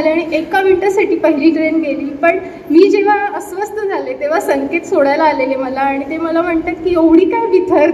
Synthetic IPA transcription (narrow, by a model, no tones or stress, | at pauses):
aleaɽ̃iʔekaʋinʈəsaʈiːpəɦiliːʈɾenkeliːlpəɳ | miːd͡ʑeʋ̤aəsʋəst̪ʰəd͡zʱalet̪eʋ̤asəŋket̪soɽajlaːleleməlaːɽ̃it̪eməlam̤əɳt̪aːt̪kiːeʋɽiːkajbʱit̪əɾ